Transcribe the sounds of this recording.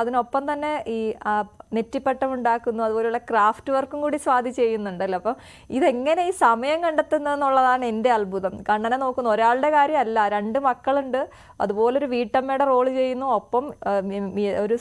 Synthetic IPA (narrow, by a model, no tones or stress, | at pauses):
ɐðino̞pːɐmt̪ɐnːe̞iːanetːipːe̞ʈːɐmuɳɖaːkːunːuɐðuboːljuɭːɐkraːftːɨʋɐrkːumkuːɽisʋaːd̪ʱit͡ɕːe̞jːunːuɳɖɐlːɐpːɐm | iðe̞ŋːɐne̞iːsɐmɐjɐmkɐɳɖɐt̪ːunːɐðenːuɭːɐðaːɳe̞nde̞ɐlbʱuðɐmkɐɳɖɐnenoːkːunːoɾaːɭɨɽe̞kaːɾjɐmɐlːɐɾe̞ɳɖɨmɐkːɐɭuɳɖɨ | ɐ̰ðubo̞ːleo̞ɾuʋiːʈːɐmːejɽero̞ːɭt͡ɕe̞jːunːuopːɐm | oɾu